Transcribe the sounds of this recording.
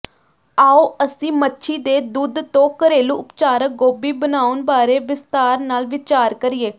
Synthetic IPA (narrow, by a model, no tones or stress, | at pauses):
aːoːəsĩːmətːʃʰiːd̪eːd̪uːd̪t̪õːkəɾeːlũːʔʊpt͡ʃaːɾək̚ɡoːbiːbənaːʊnbaːɾeːʋɪst̪aːɾnaːlʋɪt͡ʃaːɾkəɾɪeː